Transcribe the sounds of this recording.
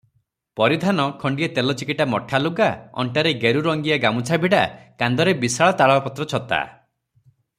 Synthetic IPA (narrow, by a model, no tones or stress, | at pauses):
pɔɾid̪ʱanɔkʰɔɳɖiet̪elɔt͡ʃikiʈamɔʈʰaluɡaɔ̰ɳʈaɾeɡeɾuɾɔŋɡiaɡamut͡ʃʰabʱiɽakand̪ɔɾebisaɭɔt̪aɭɔapɔt̪ɾɔt͡ʃʰɔt̪a̰